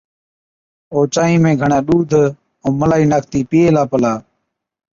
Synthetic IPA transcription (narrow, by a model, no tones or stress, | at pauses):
oːt͡ʃaːĩːmẽːɡʱəɳãːɗuːd̪ʱ | õːməlaːiːnaːk̚ʰt̪iːpiːeːlaːpəlaː